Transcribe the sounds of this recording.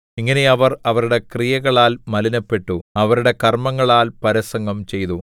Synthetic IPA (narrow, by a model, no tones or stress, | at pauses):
iŋːɐne̞ɐʋɐrɐʋɐɾuɽe̞krijɐɣɐɭaːlmɐlinɐpːe̞ʈːuɐʋɐɾuɽe̞kɐrmɐŋːɐɭaːlpɐɾɐsɐŋɡɐmt͡ɕe̞jt̪u